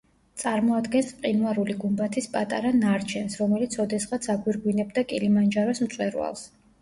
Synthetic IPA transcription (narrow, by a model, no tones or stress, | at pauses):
t̪sʼaɾmɔad̪ɡɛnspqʼinuaɾuliɡumbat̪ʰispʼat̪ʼaɾanaɾt͡ʃʰɛnsɾɔmɛlit̪sʰɔd̪ɛsχʁat̪sʰaɡwiɾɡwinɛbd̪akʼilimand͡ʒaɾɔsm̩t̪sʼwɛɾwa̰lˠs